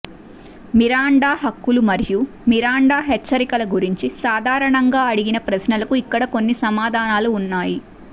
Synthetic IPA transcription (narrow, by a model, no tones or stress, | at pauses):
miɾaːɳɖaːɦɐkːulumɐɾju | miɾaːɳɖaːɦet͡ʃːɐɾikɐlɐɡuɾiɲt͡ʃisaːd̪ʱaːɾɐɳɐŋɡaːɐɽiɡinɐpɾɐsnɐlɐkuikːɐɽɐko̞nːisɐmaːd̪ʱaːnaːluːnːaːji